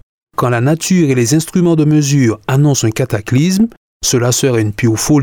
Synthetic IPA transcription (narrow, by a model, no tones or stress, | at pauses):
kɑ̃lanat̪ʰyːʁelezɛ̃st̪χymɑ̃d̪əməzyːʁanɔ̃sɛ̃kat̪aklism | səlasəʁɛynpiofol